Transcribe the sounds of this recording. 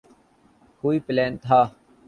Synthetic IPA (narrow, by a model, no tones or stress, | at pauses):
huːiːpɪleːnt̪ʰaː